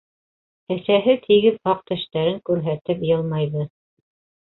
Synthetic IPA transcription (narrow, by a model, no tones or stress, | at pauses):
ɘ̆θæɦɘt̪ʰiɡɘðɑq̚t̪æ̆ʃt̪æɾɘŋkʉɾɦæt̪ɘpjɤlˠmɑjðɤ